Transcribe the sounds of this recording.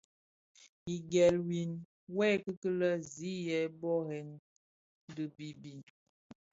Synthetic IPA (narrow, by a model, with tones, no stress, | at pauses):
i˨ɡɛ˨lwi˨n | wɛ˦kə˦kə˦lə˦zi˨˦jɛ˨˦bɔ˦hɛ˨n | də˨bi˨bi˨